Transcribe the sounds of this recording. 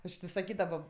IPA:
ˈɐʃ tʲɪ sɐˈkʲiːdɐʋoː

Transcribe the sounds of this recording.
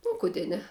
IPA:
oː kʊˈdʲeː ˈnʲɛ

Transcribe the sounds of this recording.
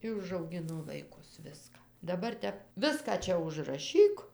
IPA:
ˈɪ ʊʒɐʊˈɡʲɪnoː ʋɐɪˈkʊs ˈʋʲɪskɑː dɐˈbɐr ˈtʲɛp ˈʋʲɪskɑː ˈt͡ʃʲɛ ʊʒrɐˈʃʲiːk

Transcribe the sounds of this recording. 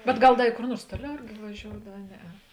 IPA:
bʲɛt ˈɡɐlˠ ˈdɐ ɪ koːr ˈnuɔrs ˈtuɔˌlʲɛʊ ˈɪrʲɡʲɪ ʋɐˈʒʲoːʊdɐw ɐ ˈnʲæːˌɛ

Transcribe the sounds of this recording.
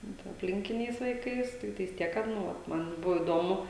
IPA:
ˈnʊ tɐ ɐpʲˈlʲɪŋʲkʲɪnʲɛɪs ʋɐɪˈkɐɪs ˈtʲɪktɐɪs ˈtʲiɛk kɐt ˈnʊ ˈʋɐt ˈmɐn ˈbʊʋoː iːˈdoːmʊ

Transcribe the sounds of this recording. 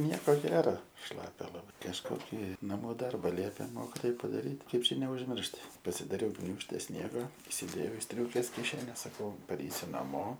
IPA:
ˈnʲiɛkoː ˈɡʲæːrɐ ˈʃlˠɑːpʲɛ lˠɐˈbɐɪ kɐʃˈkoːkʲɪ nɐˈmuː ˈdɐrbɐ ˈlʲiɛpʲeː ˈmoːkʲɪtoːj pɐdɐˈrʲiːtʲ ˈkɐɪp ˈt͡ʃʲɛ nʲɛʊʒʲˈmʲɪrʃt pɐsʲɪdɐˈrʲɛʊ ˈɡnʲuːʃʲtʲɛ ˈsʲnʲiɛɡɐ ɪsʲɪˈdʲeːjɛʊ ɪ ˈsʲtʲrʲuːkʲeːs kʲɪˈʃʲæːnʲɛs ˈsɑːkɐʊ pɐˈrʲɛɪsʲʊ nɐˈmoː

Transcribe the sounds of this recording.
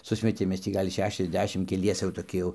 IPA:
ˈsʊsʲmʲɛtʲeːm ˈmʲɛs tʲiː ˈɡɐlʲ ˌʃʲæːʃʲɛzʲˈdʲæːʃʲɪm kʲɛˈlʲiɛsʲɛ jɛʊ toːˈkʲɪ jɛʊ

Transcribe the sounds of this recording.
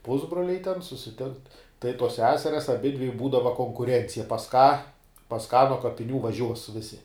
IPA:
ˈpʊzbroːlʲɛɪ tʲɛn sʊsʲɪˈtʲɪŋkt tɐɪ tuɔs ˈsʲæːsʲɛrʲɛs ɐˈbʲɪdʲʋʲɪ ˈbuːdɐʋɐ koːŋkʊˈrʲɛnʲt͡sʲɪjɛ pɐs kɑː pɐs kɑː nuɔ kɐpʲɪˈnʲuː ʋɐˈʒʲuɔs ˈʋʲɪsʲɪ

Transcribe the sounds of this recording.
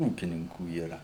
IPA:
ˈuːkʲɪnʲɪŋkuː iːˈrɐ

